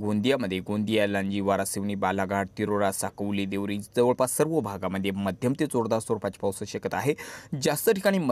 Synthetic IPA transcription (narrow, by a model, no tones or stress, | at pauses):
ɡond̪ijaməd̪ʱːjeɡond̪ijalãɲd͡ʑiːʋaɾasiʋɳiːbalaɡaɽt̪iɾoɾasakəʋliːd̪eʋɾiːd͡zəʋəɭpasəɾʋəbʱaɡaməd̪ʱːjeməd̪ʱjəmt̪et͡soɾd̪aɾsoɾupat͡ɕpəwsəɕekət̪aaɦed͡zast̪əʈʰikaɽ̃iːmə